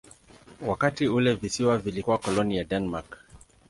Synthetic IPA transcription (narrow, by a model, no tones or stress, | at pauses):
wakatiulɛvisiwavilikuwakɔlɔnijadɛnmak